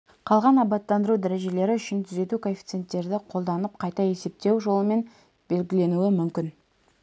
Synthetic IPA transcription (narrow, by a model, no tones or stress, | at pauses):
qʰɑlˠʁɑnɑbɑt̪ːɑnd̪əɾud̪æɾe̞ʒe̞le̞ɾɪʏʃɪnt̪ʰʏze̞t̪ukʰo̞nfʲi̥t̪se̞nt̪ːe̞ɾd̪ɪqʰo̞lˠd̪ɑnəp̚qʰɑjt̪ɑe̞se̞p̚t̪e̞wʒo̞lˠəme̞n | b̥e̞lɡʲɪle̞nuɪmʏmkʲɪn